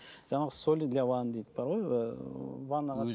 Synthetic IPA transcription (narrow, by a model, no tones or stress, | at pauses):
ʒ̥ɑɴɑʁəsolʲilʲawand̪ejt̪bɑɾʁoj | vanːɑʁɑ